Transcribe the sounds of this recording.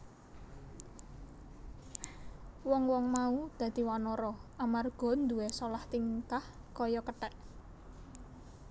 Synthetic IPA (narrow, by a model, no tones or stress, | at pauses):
wɔŋwɔŋmaud̪̥ä̤d̪̥i̤wanɔɾɔʔamarɡ̥ɔ̤nd̪uwɛsɔlaht̪iŋk̪ahkɔjɔkəʈɛʔ